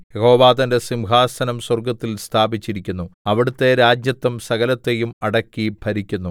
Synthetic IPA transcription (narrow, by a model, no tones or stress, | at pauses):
jeho̞ːʋaːd̪ɐnde̞simɦaːsɐnɐmswɐrɡɐt̪ːilst̪ʰaːbit͡ɕːiɾikʲːunːuɐʋiɽut̪ːe̞ɾaːd͡ʑjɐt̪ːɐmsɐɡɐlɐt̪ːe̞jumɐɽɐkːibʱɐɾikʲːunːu